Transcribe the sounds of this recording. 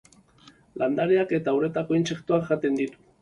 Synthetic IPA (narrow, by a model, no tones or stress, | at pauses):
lʔand̪aɾeaket̪awɾet̪akwint͡ʃekt̪oaχat̪end̪it̪u̥